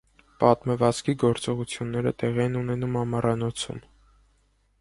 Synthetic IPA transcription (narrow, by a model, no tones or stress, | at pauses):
pɑt̪məvɑt͡skiɡɔɾt͡sɔʁut͡sʰjunːɛɾə̰t̪ɛʁiɛnunɛnumhɑmɑrɑnɔt͡sʰṵm